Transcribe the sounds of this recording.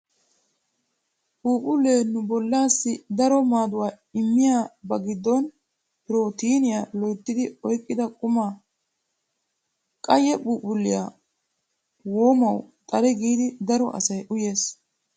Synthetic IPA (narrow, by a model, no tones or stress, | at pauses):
puːpʼʊlːeːnːʊbɔlːaːsːɪd̪ɐɾɔmaːd̪ʊwaː | ɪmːɪjaːbɐɡɪd̪ːɔn | pɪɾo̞ːt̪iːnɪjalɔjt̪ːɪd̪ɪɔjkʼːɪd̪ɐkʼʊmaː | kʼɐjɛbuːpʼʊlːɪja̰ | wo̞ːmɐwt̪ʼɐɾɛɡiːd̪ɪd̪ɐɾɔʔɐ̰sɐjʔʊje̞ːs